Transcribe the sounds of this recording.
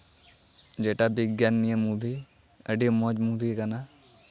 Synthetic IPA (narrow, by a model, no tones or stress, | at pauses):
d͡ʒeːʈabɪɡjaːnːijəmːubʱi | əɖimɔd͡ʒmubʱikana